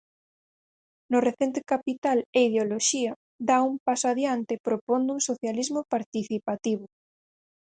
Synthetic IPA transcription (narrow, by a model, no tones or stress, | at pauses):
noreθent̪ekapit̪aleiðeoloʃia | d̪aumpasoaðjant̪epɾopõnd̪uŋsoθjalizmopaɾt̪iθipat̪iβʊ